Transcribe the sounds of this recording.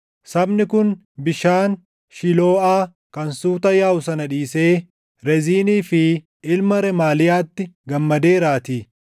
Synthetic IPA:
sɐbnɪkʊn | bɪʃaːn | ʃɪlo̞ːaː | kɐnsuːt̪ɐjaːʊsɐnɐᶑiːseː | ɾɛziːniːfɪ | ɪlmɐɾɛmaːlɪjaːt̪ːɪɡɐmːɐd̪e̞ːɾaːt̪iː

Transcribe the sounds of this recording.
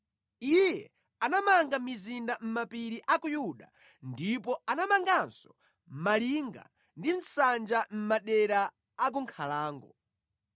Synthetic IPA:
ijɛ | anamaŋɡamizindam̩mapiɾiʔakujuɗa̰ | ndipɔanamaŋɡansɔ̥ | m̩maliːŋɡa̰ | ndim̩sand͡ʒam̩maɗɛɾaː | k̬uŋkʰalaːŋɡɔ

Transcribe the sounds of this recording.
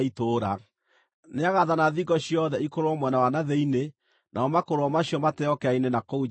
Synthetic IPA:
itoɾa | neaɣaðanaðiɡɔɕiɔðɛikoɾowɔmwɛnawanaðeine | nʔaɔmakoɾoɔmaɕiɔmatɛɔkɛainenakou

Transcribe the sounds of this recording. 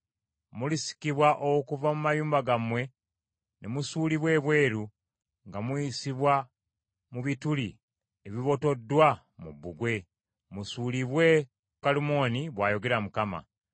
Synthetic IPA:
mulisi̥kiβwaʔokuvamumajuːmbaɡamwe̞ | nʔemusuːliβwe̞ːβwe̞ːɾu | ŋɡamwisiβwa | muβituli | eβiβo̞to̞dːwa | mṵbːuɡwe̞ | musuːliβwe̞ | kalumo̞niβwaːjo̞ɡe̞ɾamukama̰

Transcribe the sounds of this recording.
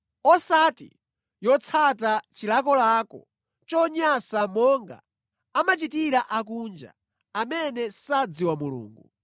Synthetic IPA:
ɔsatḭ | jɔt͡sʰatat͡ʃilakɔlaːkɔ | t͡ʃɔɲasamɔŋɡa̰ | amat͡ʃitiɾaʔakund͡ʒa̰ | amɛnɛsad͡ziwamulṵːŋɡu

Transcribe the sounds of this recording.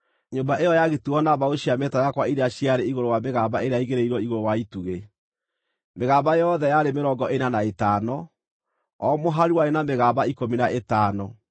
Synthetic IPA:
ɲoːmbaʔejɔjaɣetuɔnaβaoɕiamɛtajakwaiɾeaɕiaɾeiɣoɾowameɣaːbaʔeɾeaiɣeɾeiɾɔiɣoɾowaituɣe | meɣaːβajɔðɛjaɾemeɾɔːɡɔʔenanaetaːnɔ | ɔmoɦaɾiwaɾenameɣaːbaikominaʔetaːnɔ

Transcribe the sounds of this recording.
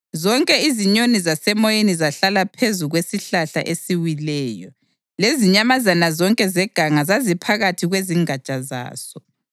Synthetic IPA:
zɔŋkʼɛiziɲonizasɛmɔjenizaɬalapʰezuɣwesiɬaɬa̰ʔesiwilɛːjɔ | leziɲamazanazɔŋkʼɛzɛɡ̥ʱaŋazazipʰaɣatʰiɣweziŋat͡ʃʼaza̰ːsɔ

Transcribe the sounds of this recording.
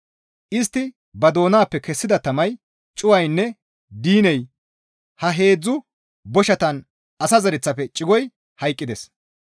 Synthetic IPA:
ʔɪst̪ːɪ | bɐd̪o̞ːnaːpːɛkɛsːɪd̪ɐt̪ɐmɐj | t͡ʃʼʊwɐjnːɛ | d̪iːnɛj | hɐɦe̞ːd͡zːʊ | bɔʃɐt̪ɐn | ɐsɐzɐɾɛt͡sːɐfɛt͡ʃʼɪɡɔj | hɐjkʼːɪd̪ɛs

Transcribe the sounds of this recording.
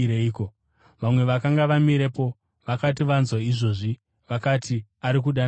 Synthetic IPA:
ɾeiːko̞ | ʋamwe̞ʋakaŋɡaʋamiɾe̞po̞ | ʋakat̬iʋanzwaiʐo̞ʐi | ʋakatʰiaɾik̬uɗan

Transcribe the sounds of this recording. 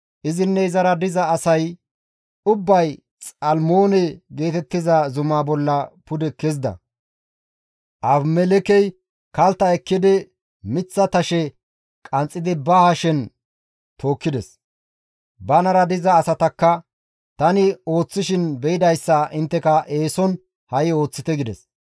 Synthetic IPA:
ʔɪzɪnːɛɪzɐɾɐd̪ɪzɐːsɐj | ʊbːɐj | t͡sʼɐlmoːnɛɡe̞ːt̪ɛt̪ːɪzɐzʊmaːbɔlːɐpʊd̪ɛkɛzd̪ɐ̰ | ʔɐbmɛlɛkɛj | kɐlt̪ːɐɛkːɪd̪ɪ | mɪt͡sːɐt̪ɐʃɛ | kʼɐnt͡sʼːɪd̪ɪbɐhɐʃɛn | t̪ʰo̞ːkːɪd̪ɛs | bɐnɐɾɐd̪ɪzɐːsɐt̪ɐkːɐ | t̪ɐnɪo̞ːt͡sːɪʃɪnbɛɪd̪ɐjsːɐʔɪnt̪ːɛkɐʔe̞ːsɔn | hɐjɪo̞ːt͡sːɪt̪ɛɡɪd̪ɛs

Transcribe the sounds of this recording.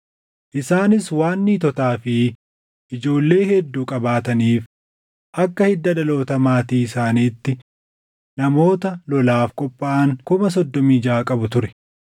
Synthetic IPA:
ʔɪsaːnɪswaːnːiːt̪ɔt̪aːfɪ | ʔɪd͡ʒo̞ːlːe̞ːhɛd̪ːuːkʼɐbaːt̪ɐniːf | ʔɐkːɐhɪd̪ːɐᶑɐlo̞ːt̪ɐmaːt̪iːɪsaːniːt̪ːɪ | nɐmo̞ːt̪ɐlɔlaːfkʼɔpʼːaaːŋkʊmɐs̬ɔd̪ːɔmiːd͡ʒaːkʼɐbʊt̪ʊɾɛ̥

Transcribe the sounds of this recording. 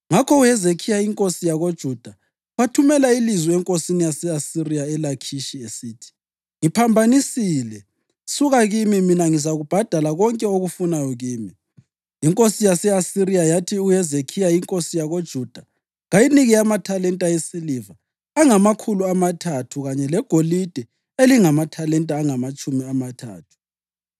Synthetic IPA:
ŋakʰɔujɛzekʰijaiŋkʼosijaɣod̥ʒ̥ʱud̥ʱa | ɣwatʰumɛlailizwɛɛŋkʼosinijasɛasirijaɛlakʰiʃiesiːtʰi̥ | ŋipʰambʱanisiːlɛ | suɣaɣimiminaŋizaɣub̥ʱad̥ʱalaɣɔŋkʼɛoɣufunajɔɣiːmi | jiŋkʼosijasɛasiɾijajatʰiujɛzekʰijaiŋkʼosijaɣod̥ʒ̥ʱud̥ʱa | ɣajiniɣiamatʰalɛntʼajesilivaː | ŋamakʰuluamatʰatʰuɣaɲɛlɛɡ̥ʱolid̥ʱɛ | eliŋamatʰalɛntʼaːŋamat͡ʃʼumiamatʰa̰ːtʰu̥

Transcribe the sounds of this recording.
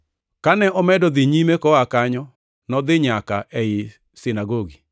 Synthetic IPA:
kanɛʔɔmɛdɔd̪ɪɲimekɔakaɲɔ | nɔd̪ɪɲakaʔɛɪ | sɪnaɡoɡi

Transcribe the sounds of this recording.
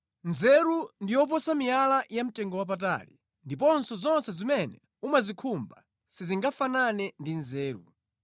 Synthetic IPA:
nzɛɾundijɔp̬ɔsamialajam̩tɛŋɡɔwap̬at̬a̰lḭ | ndipɔnsɔzɔnsɛzimɛnɛ | umazikʰumba̰ | siziŋɡafananɛndinzɛːɾṵ

